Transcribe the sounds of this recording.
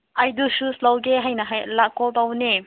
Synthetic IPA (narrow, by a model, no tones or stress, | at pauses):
ʔajdususlawɡeɦajnaɦajlakɔlt̪awne